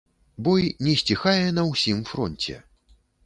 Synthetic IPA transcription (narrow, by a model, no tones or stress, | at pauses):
bɔjnʲɛsʲt͡sʲixajɛnɐwsʲimfɾɔnʲt͡sʲɛ̰